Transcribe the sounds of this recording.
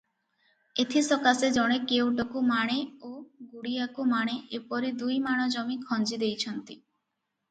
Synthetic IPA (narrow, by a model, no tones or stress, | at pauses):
et̪ʰisɔkased͡ʒɔɽ̃ekewʈɔkumaɽ̃eoɡuɽiakumaɽ̃eʔepɔɾid̪ujmaɽ̃ɔd͡ʒɔmikʰɔnd͡ʒid̪ejt͡ɕʰɔnt̪i